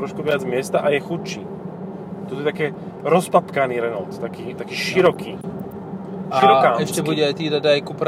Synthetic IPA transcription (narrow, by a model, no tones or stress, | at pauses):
ɾɔʃkuʋɪad͡zmɪɛst̪aʔajɛxut͡ʃḭː | t̪ɔt̪ɔjɛt̪akɛː | ɾɔspapkaniːɾɛnɔlt̪t̪akiːt̪akiːʃiɾɔkiː | aʃiɾɔkaɛʃcɛbuɟɛajt̪id̪ad̪ajkupɾ